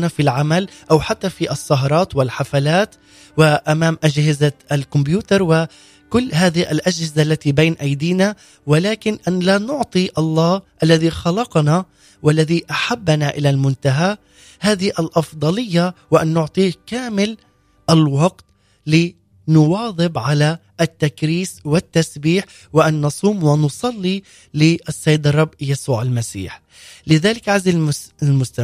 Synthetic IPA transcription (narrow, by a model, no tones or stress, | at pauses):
nafilʕamalʔawħat̪ːafiʔɑsˤːɑɦɑɾˤɑːt̪wɪlħafalaːt̪ | wɪʔamaːmʔad͡ʒhɪzaʔalkʊmbjuːt̪ɑɾˤwɪ | kʊlːɦaːðɪʔa̰lʔad͡ʒhɪzaʔlːat̪ibeːnʔajd̪iːna | wɪlaːkɪnʔanlanʊʕt̪ˤiʔɑlˤːɑːʔalːaðixɑlɑqɑna | walːaðiʔaħabːnaʔɪlalmʊnt̪aɦa | haːðhiʔalʔɑfd̪ˤɑlɪjːawɪʔanːʊʕt̪ˤiːkaːmɪl | ʔalwɑɡt̪ | lɪ | nʊwɑːðˤɨbʕala | ʔːt̪ːakɾiːswɪt̪ːasbiːħ | wɪʔanːɑsˤuːmwɪnʊsˤɑlːi | lɪʔɑsˤːɑjːɪd̪ɑrˤːɑbːjasuːʕalmasḭːħ | lɪðaːlɪkʕazilmʊst̪a